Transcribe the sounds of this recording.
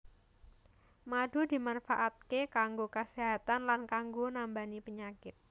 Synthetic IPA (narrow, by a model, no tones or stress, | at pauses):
mad̥ṳd̪i̤manfaʔat̪̚kekaŋɡokəseɦat̪anlankaŋɡonambanipəɲakɪt̪̚